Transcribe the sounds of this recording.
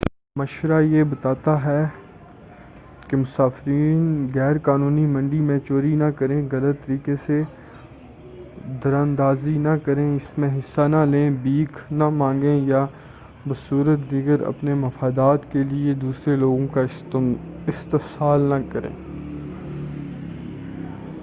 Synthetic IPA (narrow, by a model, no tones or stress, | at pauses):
mɐʃɾajebɐt̪aːt̪aɦɛ | kemʊsaːfɾiːnɣɛːɾkaːnũːnimɐ̃ɳɖimẽːt͡ʃoːɾinɐkɐɾẽːɣɐlət̪ːəɾiːkese | d̪ɐɾãːnd̪aːzinɐkɐɾẽɪsmẽɦɪsːanɐlẽːbiːknɐmãːŋɡẽja | bɐsuːɾət̪d̪iːɡəɾɐ̰pnemɐfaːd̪aːt̪kelied̪uːsɾeloːɡõkaɪ | ɪst̪ɪsaːlnɐkɐɾḛ̃ː